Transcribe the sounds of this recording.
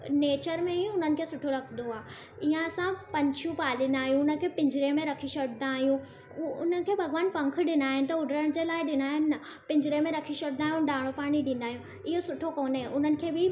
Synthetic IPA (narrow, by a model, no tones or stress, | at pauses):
neːt͡ɕəɾmẽiʊnənɪ̆kʰeːsʊʈʰoɾɐkʰnd̪oaː | iɦãɐsãpɐ̃ɲt͡ɕʰjũpaːlind̪aːɦijũʊnə̆kʰeːpɪ̃ɲd͡ʑʱɾemẽɾɐkʰiʃɐɽnaːɦijũ | ʊn̤ənɪ̆kʰeːbʱɐɣʋaːnpɐ̃ŋk̆ʰɗɪnaːɦɪnɪ̆t̪ɐʊɖɾəɽ̃d͡ʑeːlaːɪɗɪnaːɦɪnɪ̆ːɐ | pɪ̃ɲd͡ʑɾemẽɾɐkʰiʃɐɽɪ̃naːɦjũɗaːɽ̃opaːɽ̃iɗĩːnd̪aːɦijũ | ɪɦosʊʈʰokoːnẽʔʊnənɪ̆kʰeːbɪ